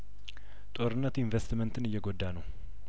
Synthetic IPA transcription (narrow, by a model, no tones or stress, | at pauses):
t̪ʼo̞ɾɨnːət̪ɪɱvest̪mənt̪ʰɨnɨjːɛɡod̪ːanəw